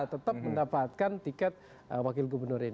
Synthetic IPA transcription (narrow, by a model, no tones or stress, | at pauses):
t̪ət̪ap̚məndapat̪̚kant̪ikɛt̪̚ | əwakɪlɡubərnʊɾin